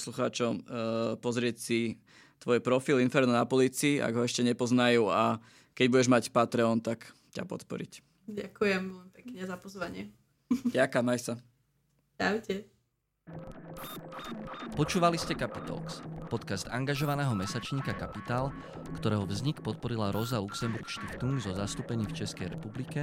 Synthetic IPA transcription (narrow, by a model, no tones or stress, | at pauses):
sluxa̰ːt͡ʃɔmpɔzɾɪɛcsi | t̪ʋɔjpɾɔfilinfɛɾnɔnapɔliːt͡siːʔa̰ɡɦɔɛʃcɛɲɛpɔznajuːa | kɛɟbuɟɛʒmacpat̪ɾɛɔnt̪ak | ca̰pɔ̰t̪pɔ̰ɾḭc | ɟakujɛmɛmipɛkɲɛzapɔzʋaɲɪɛ | dakamajsa | daʊcɛ | pɔt͡ʃuːʋaliscɛkapit̪ɔ̰lkspɔt̪kasd̪aŋɡaʒɔʋanɛːɦɔmɛsat͡ʃɲiːkakapit̪aːl | kt̪ɔɾɛːɦɔvzɲikpɔt̪̚pɔɾilaɾɔzaluksɛmbuɾkʃt̪ixt̪uŋɡzɔzast̪uːpɛɲiːft͡ʃɛskɛjɾɛpublikɛ